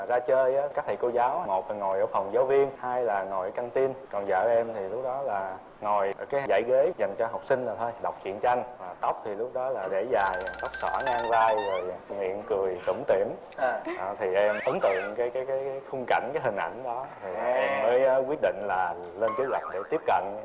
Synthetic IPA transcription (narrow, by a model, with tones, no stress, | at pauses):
zaː˧t͡ɕəː˧jʔaː˨˦kaː˦˥k̚t̪ʰḭ˧˨ko˧zaː˨˦wmo˨˩t̚a˨˩ŋo˨˩jʔəː˧˩fə˨˩wŋ͡mzaː˨˦wvi˧ənhaː˧jlaː˨˩ŋo˨˩jka˧ŋt̪i˧nkɔ˨˩nzə̰ː˧˩ʔɛ˧mt̪ʰi˨˩lʊ˦˥k͡p̚ɗɔ˨˦laː˨˩ | ŋo˨˩jkaː˨˦jza̰˧˩˨jɣe˨˦za˨˩jŋ̟t͡ɕɔ˧ɦa˨˩wk͡p̚sï˧ŋ̟zaː˨˩t̪ʰo˧jɗwk͡p̚t͡ɕwḭ˧˨ənt͡ɕa˧ŋvaː˨˩t̪ə˦˥wk͡p̚t̪ʰi˨˩lʊ˦˥k͡p̚ɗɔ˨˦laː˨˩ɗe˧˩zaː˨˩jt̪ə˦˥wk͡p̚sə̰ː˧˩ŋaː˧ŋvaː˧jve˨˩jŋwḭ˧˨ənkɨ˨˩əjt̪ɨ̰˧˩ŋ͡mt̪ḭ˧˩əm˧ | ʔt̪ʰi˨˩ʔɛ˧mʔ̪ə˨˦ŋ͡mt̪ɨ̰˧˨əŋkaː˨˦jkaː˨˦jkaː˨˦jːjxʊ˧ŋ͡mka˧˩jŋ̟kaː˨˦jɦï˨˩ŋ̟ʔa̰˧˩jŋ̟ɗɔ˨˦t̪ʰi˨˩˨ʔɛ˧mməː˨˦jkwi˦˥ət̚ɗḭ̈˧˨ŋ̟laː˨˩ | le˧nkəː˨˦lwa˨˩jk̟̚ɗe˧˩t̪i˦˥əp̚kə̰˧˨n